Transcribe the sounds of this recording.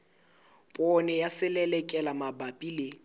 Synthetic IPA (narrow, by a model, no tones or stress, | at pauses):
pʼɔnɛjasɪlɛlɛkʼɛlamabapʼile